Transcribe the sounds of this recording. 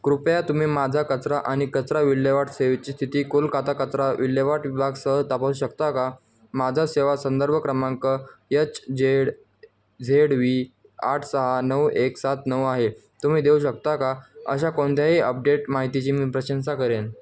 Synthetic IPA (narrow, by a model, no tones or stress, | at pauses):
kɾupjat̪um̤iːmad͡zʱakət͡sɾaʔaɽ̃ikət͡sɾaʋilːəʋaʈseʋt͡ɕiːst̪ʰit̪iːkulkat̪akət͡sɾaʋilːjəʋaʈʋibʱaɡsəɦət̪apəsuːɕəkt̪aka | mad͡zʱaseʋasənd̪əɾbʱəkɾəmãŋkəjət͡sd͡zeɽ | d͡zʱeɽʋiː | aʈʰsəɦanəweksat̪nəwaɦe | t̪um̤iːd̪euɕək̚t̪akaə̰ɕ̬akoɳt̪ʰjaɦiəp̚ɖeʈmaɦit̪it͡ɕiːmiːpɾəɕənsakəɾen